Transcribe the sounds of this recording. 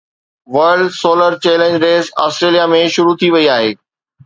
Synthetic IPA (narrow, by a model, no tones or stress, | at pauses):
ʋɐɾɖsoːləɾt͡ɕeːlə̃ɲd͡ʑɾeːza̰ːsʈɾeːlijamẽʃʊɾut̪ʰiʋɐiaːɦeː